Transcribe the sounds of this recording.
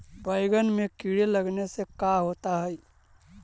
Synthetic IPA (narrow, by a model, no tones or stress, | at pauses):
bəɪɡənmekiɽeləɡnesekaɦoːt̪aɦɛi